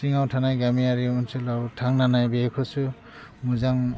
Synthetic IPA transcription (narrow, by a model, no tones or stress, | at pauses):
siŋawtʰanajɡamiaɹiunsɯlawtʰaŋnanajbekʰɔsu | muzaŋ